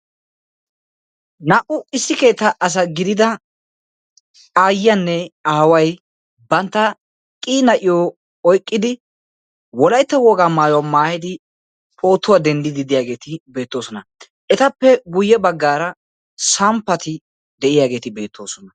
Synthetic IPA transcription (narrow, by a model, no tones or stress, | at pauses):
nɐʔʊɪsːɪke̞ːt̪ːɐʔɐs̬ɐɡɪd̪ɪd̪ɐ | aːjɐnːɛaːwɐj | bɐnt̪ːɐ | kʼiːnɐʔɪjo | ɔjkʼːɪd̪ɪ | wɔlɐjt̪ːɐwɔɡaːmaːjɔwamaːhɪd̪ɪ | pʼo̞ːt̪ːʊwad̪ɛnd̪ɪd̪ɪd̪ɪjaːɡe̞ːt̪ɪbe̞ːt̪ːo̞ːsɔnɐ | ɛt̪ɐpːɛɡʊjːɛbɐɡːaːɾɐ | sɐmpːɐt̪ɪ | d̪ɛʔɪjaːɡe̞ːt̪ɪbe̞ːt̪ʰːo̞ːsɔnɐ